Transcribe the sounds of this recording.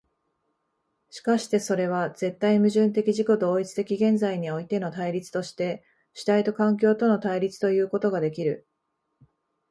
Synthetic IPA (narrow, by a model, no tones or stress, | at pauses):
ɕi̥kaɕi̥t̪e̞so̞ɾe̞β̞aze̞t̪ːaimɯ̟ʑɨ̃nt̪e̞kʲiʑiko̞d̪o̞ːit͡sɨ̥t̪e̞kʲiɡẽ̞nd͡zaiɲ̟io̞it̪e̞no̞t̪aiɾʲit͡sɨ̥t̪o̞ɕi̥t̪e̞ | ɕi̥t̪ait̪o̞kãŋk̬ʲo̞ːt̪o̞no̞t̪aiɾʲit͡sɨ̥t̪o̞jɯ̟ːko̞t̪o̞ɡad̪e̞kʲiɾɯ̟